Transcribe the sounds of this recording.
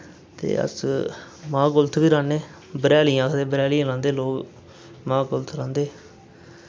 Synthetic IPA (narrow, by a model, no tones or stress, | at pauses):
t̪ḛːə̰s | mãːɡʊlt̪ʰʋiːɾãːneː | bəɾɛːlijãːkʰd̪eːbəɾɛːlijãːlãːnd̪eːloːk | mãːɡʊlt̪ʰɾãːnd̪eː